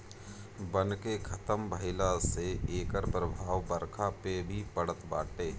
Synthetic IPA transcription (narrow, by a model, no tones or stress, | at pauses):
bənkekʰɐt̪əmbʱəɪlaseeːkəɾpɾəbʱaːʋbəɾkʰapebʱipəɽət̪ba̰ːʈeː